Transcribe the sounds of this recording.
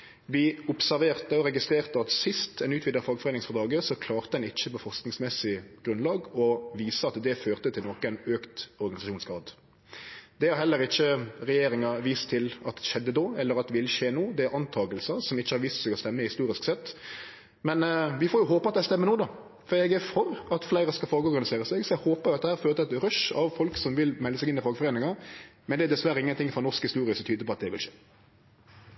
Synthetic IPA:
ʋɪʊpsæɾʋeːʁt̪əɔɾɛɡɪst̪ɾeːʁt̪əɑt̪sɪst̪ʰɛnʉːt̪ʰʋɪd̪əɾfɑːɡfɔʁeːnɪŋsfɔʁd̪ɑːɡəsɔkʰlɑːʁt̪əd̪ɛnɪçːəpɔfɔʁsknɪŋsmɛsɪɡ̥ɾʉnlɑːɡɔʋiːsəɑt̪d̪ɛføːʁt̪ət̪ʰɪlnɔkæɪnøːkt̪ɔɾɡɑnɪsɑʃuːnsɡɑːd̪ | d̪ɛhɑɾhɛlːəɾɪçːəʁɛjeːɾɪŋɑʋiːst̪ʰːɪlɑt̪ʃɛd̪ːəd̪oːɛlːəɾɑt̪ʋɪlʃeːnuːd̪ɛæɾɑnt̪ʰɑːɡəlsəsɔmɪçːəhɑɾʋiːst̪sɛɡɔst̪ɛmːəɪhɪst̪uːɾɪsksɛt̪ː | mɛnʋɪfoːɾjʊɦoːpəɑt̪̚d̪æst̪ɛmːənuːd̪ɑ | fɔɾɛɡfɔɾɑt̪flæɪɾəskɑlfɔːɾɡəɔɾɡɑnɪseːɾəsɛɡsɔɛɡhoːpəɾjʊɑt̪̚d̪ɛhæːɾføːɾət̪əɛt̪ɾœʃɑʋfɔlksɔmʋɪlmɛlːəsɛɡɪnɪfɑːɡəfɔɾeːnɪŋɑmɛnd̪ɛæd̪ɛsʋæɾəɪŋːənt̪ɪŋfɾɔnɔʁskhɪst̪uːɾɪəsɔmt̪yːd̪əɾpʰɔɑt̪̚d̪ɛʋɪ̰lʃḛː

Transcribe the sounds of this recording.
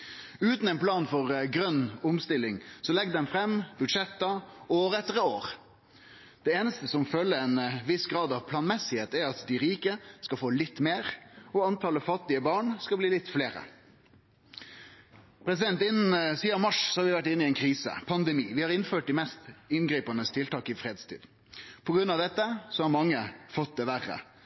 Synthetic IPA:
ʉːt̪nɛɪnpʰlɑːnfɔʁɡɾœnːʊmst̪ɪlːɪŋsɔlɛɡd̪ɛmfɾɛmːbʉd̪ʂɛt̪ːɑoːɾəɛt̪ːəʁəoːɾ | d̪̥ɛeːnəst̪əsɔmfœlːəɛnʋɪsɡɾɑːd̪ɑʋpʰlɑːnmɛsɪheːt̪æɾɑt̪d̪ɪɾiːkəskɑfoːlɪt̪ːmeːʁɔɑnt̪ʰɑləfɑt̪ːɪəbɑːɳskɑbliːlɪt̪ːfleːɾə̰ | pʰɾɛsɪd̪ɛnt̪ɪnːnsiːɑʋmɑʂsɔhɑɾʋɪʋæʈ̬ːɪnːɪɛɪnkʰɾiːsə̰pʰɑnd̪ɛmiːʋɪhɑɾɪnføːʈɪmɛst̪ɪnɡɾiːpɑnəst̪ʰɪlt̪ʰɑːkɪfɾeːd̪st̪ʰḭːd̪ | pʰɔɡɾʉnːɑʋd̪ɛt̪ːəsɔhɑɾmɑŋːəfɔt̪̚d̪ɛʋæʁə̰

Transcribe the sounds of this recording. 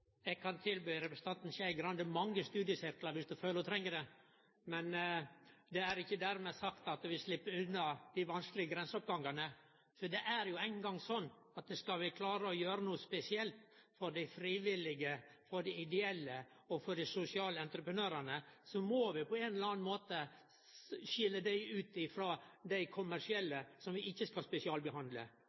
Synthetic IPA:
ɛɡ̚kʰɑnt̪ʰɪlbyːɾɛpɾəsə̥t̪ɑnt̪nçæɪɡɾɑnd̪əmɑŋːəst̪ʉːd̪ɪjəsɪɾklɑɾʋɪsd̪ʉføːləɾɔt̪ʰɾɛŋːəd̪ɛ | mɛn | d̪ɛæɾɪçːəd̪æɾmɛsɑkt̪ɑt̪ʋɪslɪpːəʉnːɑd̪ɪʋɑnsklɪɡəɡɾɛnsəɔp̚ɡɑŋɡənə | fɔd̪ɛʔæɾjʊæɪnɡɑŋsɔnː | ɑt̪̚d̪ɛskɑlʋɪkʰlɑːɾəɔjøːɾənuːəspɛsɪɛlt̪fɔɾɖæɪfɾiːʋɪlɪɡəfɔɖɪɪd̪ɛɛlːə | ɔfɔɖ̪ɪsʊsɪɑːləɛnt̪ɾəpɾənøːɾənəsɔmɔʋɪpʰɔeːnɛlɑːnmoːt̪ə | ʃɪlːəd̪æɪʉːt̪ɪfɾoːd̪æɪkʰʊmæʂɪɛlːəsɔmʋɪʔɪçːəskɑlspɛsɪɑːlbəɦɑnd̪lə̰

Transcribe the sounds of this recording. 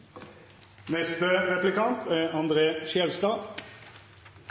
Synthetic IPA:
nɛst̪əʁɛplɪkʰɑnt̪ʰæʁɑnd̪ʁeːʃɛlst̪ɑː

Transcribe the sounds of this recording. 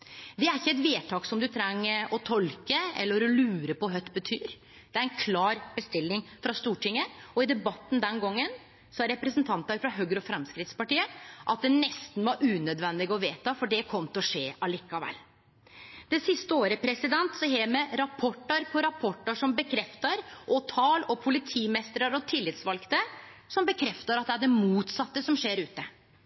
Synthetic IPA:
d̪ɛæɾɪçːəɛt̪ʋeːt̪ʰɑːksɔmd̪ʉt̪ʰɾɛŋːəɔt̪ʰɔlkəɛ̰lːəɾɔlʉːɾəpɔɦœt̪ːbət̪ʰyːɾ | d̪̥ɛæɾɛnkʰlɑːɾbəst̪ɪlːɪŋfɾɑst̪uːʈɪŋːəɔɪd̪ɛbɑt̪ːn̩d̪ɛnɡɔŋːən | sɔɾɛpɾəsnt̪ʰɑnt̪æɾfɾɑɦøːɡəɾɔfɾɛmskɾɪt̪spɑʈiːəʔɑt̪̚d̪ɛnɛst̪n̩ʋɑɾʉːnœd̪ʋɛnd̪ɪɡəɔʋeːt̪ɑfɔɖɛkʰɔmt̪əɔʂeːʔɑliːkːɑʋɛ̰lː | d̪̥ɛsɪst̪əoːɾəpʰɾɛsɪd̪ɛnt̪sɔɦeːmɛɾɑpʰɔʈːəɾpʰɔɾɑpʰɔʈːəʂɔmbəkʰɾɛft̪ɑɾʔɔt̪ʰɑːlɔpʰʊlɪt̪ʰiːmɛst̪ɾəɾɔt̪ʰɪlːɪt̪sʋɑlkt̪əsɔmbəkʰɾɛft̪ɑɾɑt̪̚d̪ɛæɖɛmuːt̪sɑt̪ːəsɔmʂeːɾʉːt̪ə

